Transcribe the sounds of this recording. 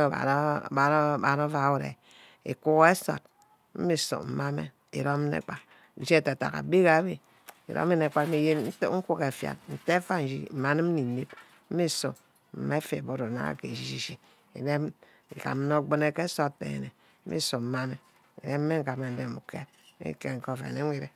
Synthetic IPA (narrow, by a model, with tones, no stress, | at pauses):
a̰˨˦˨a˨˦ba˨ɾo˦va˨˦wu˨ɾḛ˨ | ḛ˨ku˦ɣe˦so̰˨t̚ | m̩˦mi˦so̰˨m̩˨ma˦mḛ˦ | ḭ˨ɾo˦m˦nḛ˦˨k͡pa˨ | n̩˦˨d͡ʒi˦e˦˨ta˨ta̰˨ka̰˨bi˦ɣa˨˦bi˦ | ḭ˨ɾo̰˦me˦ne˨k͡pa˦m̩˦i˦je˦n̩˦tŋ̩˦ku˦ke˨fja̰˨tn̩˨te˦fa˦n̩˨d͡ʒḭ˦m̩˨ma˨ne˦m̩˦ni˨ni˦p | m̩˦mi˦sṵ˨ | m̩˨me˦fe˨bo˦ɾo˨na̰˦a̰˨ke˨d͡ʒi˦ʃi˦ʃi˨ | ḭ˨de˦m | ŋ̩˨ka̰˨m˦no˦˨ɡ͡bo˦ne˦ke˦so˦ḛ˨ḛ˨ne˨ | m̩˦mḭ˦su˨m̩˦ma˦me˦ | ḭ˨de˦m̩˦e˦ŋ̩˦˨ka˨me˨n̩˨˦de˦˨mu˨kʰḛ˦t | ḭ˦ke˦ŋ̩˨ko˦˨fḛ˨ne˨˦ŋʷi˦ɾe˦˨